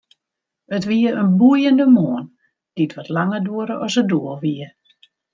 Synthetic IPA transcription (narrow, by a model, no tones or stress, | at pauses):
ətʋiəənbujəndəmoːən | d̥itʋɔtlaŋəduəɾəʔɔsədoəlˠʋiə